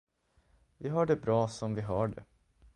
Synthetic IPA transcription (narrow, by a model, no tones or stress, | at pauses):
vɪɦɑɖɛbɾɑːsɔmvɪɦɑːɖɛ̰